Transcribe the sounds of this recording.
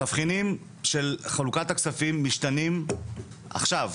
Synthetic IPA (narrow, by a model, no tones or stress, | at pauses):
afχinim | ʃe̞lχalukat̪aksafimːiʃtanim | ʔa̰χʃav